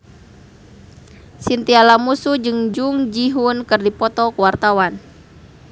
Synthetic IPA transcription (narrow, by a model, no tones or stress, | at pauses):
sint̪ialamusud͡ʒɨŋd͡ʒuŋd͡ʒiɦunkɨrdipɔt̪ɔkuwart̪awan